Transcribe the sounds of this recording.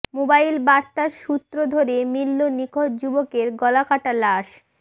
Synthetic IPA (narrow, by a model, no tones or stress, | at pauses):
mobailbaɾt̪aɾʃut̪ːɾod̪ʱoɾemilːonikʰod̪̚d͡ʑubokeɾɡɔlakaʈalaʃ